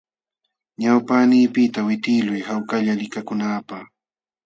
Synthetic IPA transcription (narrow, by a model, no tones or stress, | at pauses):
ɲawpanɪːpɪt̪awɪt̪ɪlʊjhawkaʎalɪkakʊnaːpaχ